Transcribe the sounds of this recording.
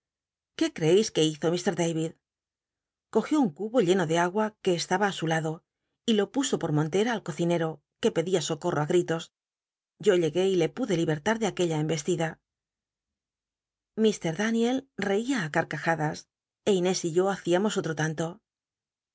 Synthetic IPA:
ke̞kɾe̞ejske̞iθo̞mist̪e̞ɾðejβið | ko̞xjo̞uŋkuβo̞ʎe̞no̞ðe̞aɣwake̞ːst̪aβaːsulaðo̞ | ilo̞puso̞po̞ɾmõ̞nt̪e̞ɾaːlko̞θine̞ɾo̞ | ke̞pe̞ðiaso̞ko̞rʔo̞aɣɾit̪o̞s | ɟ͡ʝo̞ʎe̞ɣe̞ile̞puðe̞liβe̞ɾt̪aɾðeake̞ʎaembe̞st̪iða | mist̪e̞ɾðanje̞lre̞iaːkaɾkaxaðas | e̞ine̞siʎo̞aθiamo̞so̞t̪ɾo̞t̪ant̪o̞

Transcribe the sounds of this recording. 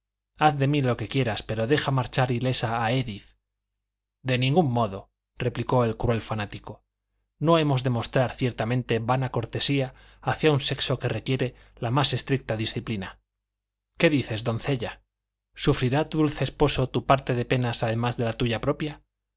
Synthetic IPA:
aθðe̞milo̞ke̞kje̞ɾaspe̞ɾo̞ðe̞xamaɾt͡ʃaɾile̞saːe̞ðiθ | d̪e̞nĩŋɡumːo̞ðo̞ | re̞pliko̞e̞lkɾue̞lfanat̪iko̞ | no̞e̞mo̞zðe̞mo̞st̪ɾaɾθje̞ɾt̪amẽ̞nt̪e̞βanako̞ɾt̪e̞sia | aθjaunse̞kso̞ke̞re̞kje̞ɾe̞ | lamase̞st̪ɾik̚t̪aðisθiplina | ke̞ðiθe̞zd̪o̞n̟θe̞ʎa | sufɾiɾat̪uðulθeːspo̞so̞t̪upaɾt̪e̞ðe̞pe̞nasaðe̞mazðe̞lat̪uʝapɾo̞pja

